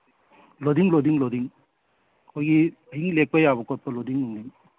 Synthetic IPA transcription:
lod̪iŋlodiŋlodiŋ | kʰojɡi | ɦiŋlek̚pajabɔkɔt̚pɐlodiŋuŋdiŋ

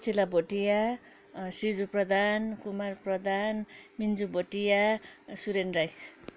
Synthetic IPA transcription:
t͡sʰilaboʈija | sid͡zuprʌd̪ʱankumarprʌd̪ʱanmind͡zuboʈijasuɾenrajkʰ

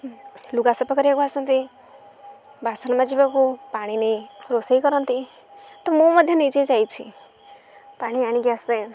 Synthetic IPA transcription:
luɡasɔpɔkɔɾakoasʌnt̪i | bʱasənmãd͡ʒibakupaɽ̃inejɾosejkɔɾʌnt̪i | t̪ɔmomʌd̪ʱjʌnit͡ʃed͡ʒajt͡ʃʰḭ | paɽ̃iaɽ̃iɡjase

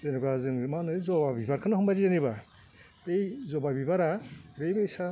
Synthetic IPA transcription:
zenɔɡazɯnmanɯjzɔbabibaɾkʰɯnaɦɔmbajɾizaniβa | ejzɔbabibaɾaɾejbaisa

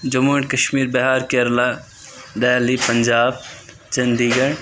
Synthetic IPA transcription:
d͡ʒɐmoɳkɐʃmiːɾbɐɦaːɾkeɐɾlaː | ɖaːlipɐɲd͡ʒaːb̚ | t͡ʃɐnd̪iːɡɐɳ

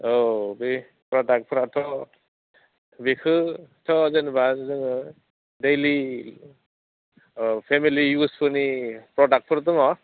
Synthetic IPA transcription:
obi | pɾɔɖak̚pʰuɾat̪ʰɔ | bikʰɯtʰɔzʌnbazɯŋ | dejli | pʰemilijuspɔnipɾɔɖak̚pʰɔɾt̪̬ɯŋɔ

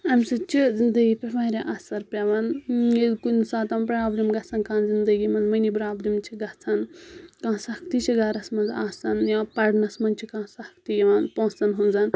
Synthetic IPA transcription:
ɐmsɨt͡ʃʰizind̪ɐɡipʲeʋaɾeʔɐsɐɾpʲɐʋanelkunsaːt̪ɐmpɾɐjaːbɾʲimɡɐt͡sʰɐnkãːnzind̪ɐɡimɐnzmɐnibɾaːbɾimt͡ʃʰiɡɐt͡sʰankãːsɐkʰt̪it͡ʃʰiɡaɾɐsmɐnza̰ːsɐnjãpɐɽnɐsmɐnʲt͡ʃʰikãːsɐkʰt̪ijɐʋanpõːsɐnɦunzan

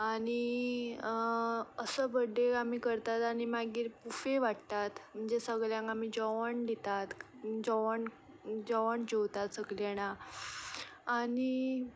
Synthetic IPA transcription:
aɽ̃i | əsəbəɖeamiːkəɾt̪at̪aɽ̃imaɡiːɾpufeʋaɽt̪at̪m̤əɳd͡zesəɡɭjãŋkam̤iːd͡ʑɔʋəɳd̪it̪at̪ | d͡ʑɔʋəɳ | d͡ʑɔʋəɳd͡ʑowt̪at̪səɡleɽ̃a | aɽi

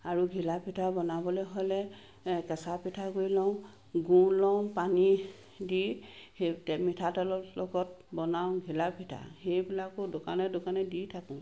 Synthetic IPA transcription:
aɹuɡʱilapʰitʰabɔnabɔlɛɦojlɛ | kɛsapitʰakoɹilɔʊ̃ | ɡũlɔw̃pani | dihetmitʰatɔlɔlɔɡɔt̚bɔnaw̃ɡʱilapʰitʰa̰xejbilakʊdʊkanɛdʊkanɛditʰakʊ̃

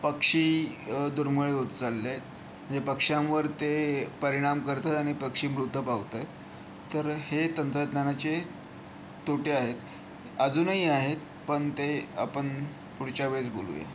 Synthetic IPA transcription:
pəkʂiːd̪uɾmuɭeut̪t͡salːet̪ | m̤əɳd͡zepəkʂãʋəɾt̪epəɾiɽ̃amkəɾt̪at̪aɽ̃ipəkʂiːmɾut̪ːəpaʋt̪ajt̪ː | əɾhet̪ənt̪ɾət̪nanat͡ɕe | t̪oʈeaɦet̪ | əd͡zuːnəɦiaɦet̪̚ | pəɳt̪eapəɳ | puɽt͡ɕaʋeɭet͡sbo̰lṵjḛ

